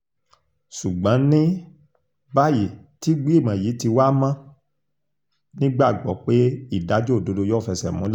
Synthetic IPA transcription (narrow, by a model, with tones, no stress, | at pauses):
ʃu˨ɡ͡bã˨˦nĩ˦ | ba˦ji˨ti˦ɡ͡bi˦i˦˨mã˨ji˨˦ti˧wa˦mã˦ | nĩ˦ɡ͡ba˦˨ɡ͡bɔ˨˦k͡pe˦i˦˨da˨˦d͡ʒo˦˨do˧do˧jɔ˦˨fɛ˧sɛ̰˨mũ˨˦l